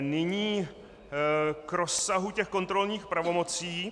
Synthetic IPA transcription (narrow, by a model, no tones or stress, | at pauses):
nɪɲiː | kɾosːaɦucɛxko̞nt̪ɾo̞lɲiːxpɾavo̞mo̞t͡siː